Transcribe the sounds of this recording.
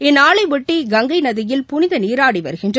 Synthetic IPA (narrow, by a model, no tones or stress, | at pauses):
ɪnaːɭɐɪʋɪʈːiɡɐŋɡɐɪnɐðɪjɪlpʊnɪðɐniːɾaːɽiʋɐ̰ɾɯɣɪndrɯ